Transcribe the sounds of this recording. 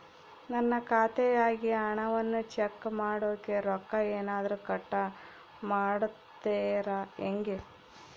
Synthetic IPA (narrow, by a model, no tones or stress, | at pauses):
nɐnːɐkaːt̪ɛjaːɡiɐɳɐʋɐnːut͡ʃekːmaːɽoːkeɾɔkːɐeːnaːd̪ɐɾukɐʈːɐ | maːɽut̪ːeːɾaeŋɡe